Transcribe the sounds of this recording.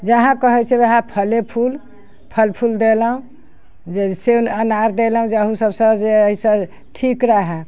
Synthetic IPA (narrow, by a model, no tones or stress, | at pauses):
d͡ʒəɦãkəɦɛt͡ʃʰɛbeɦãpʰəlepʰul | pʰəlpʰuld̪elɦũ | d͡ʒesenənaɾd̪elɦũd͡ʒeəɦũsəbsə̃d͡ʒeəɦisə̃ | ʈʰikɾəɦɛ